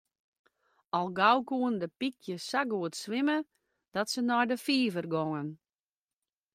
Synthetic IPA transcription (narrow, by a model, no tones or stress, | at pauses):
ɔlˠɡawkuəndəpikʰjəsaɡuətsʋɪmə | d̥ɔtsənɔjdəfiːvərɡɔŋən